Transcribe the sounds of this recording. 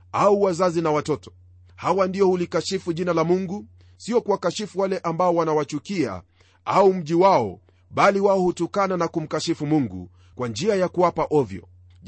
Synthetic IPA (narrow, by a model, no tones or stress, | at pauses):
auwazazinawatɔtɔ̥ | hawandijɔhulikaʃifuʄinalamuŋɡu | siɔkuwakaʃifuwalɛʔambaɔwanawat͡ʃukia̰ | aum̩ʄiwaɔ̰ | ɓaliwaɔhutukananakum̩kaʃifumuŋɡṵ | kwand͡ʒiajakuwapaʔɔvjɔ̰